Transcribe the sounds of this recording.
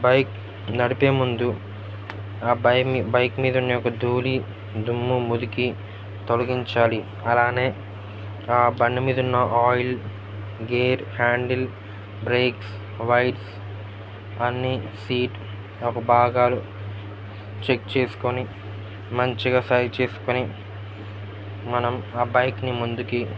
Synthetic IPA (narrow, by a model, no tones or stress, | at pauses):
bɐjk | nɐɽipe̞ːmund̪u | aːbɐjkmiːd̪ɐunːɐjɔkɐd̪ʱuːli | d̪ʱumːumud̪uki | t̪olɐɡiɲt͡ʃaːli | ɐlaːne̞ː | aːbɐɳːimiːd̪ɐunːɐʔaːjl | ɡeːɾhaːɳɖil | bɾeːks | ʋɐjʈs | ɐnːisiːʈ | ɔkɐbʱaːɡaːlu | t͡ʃekt͡ʃe̞ːsu̥koni | mɐɲt͡ʃiɡaːsɐːjt͡ʃe̞ːsu̥koni | mɐnɐmaːbɐjknimund̪uki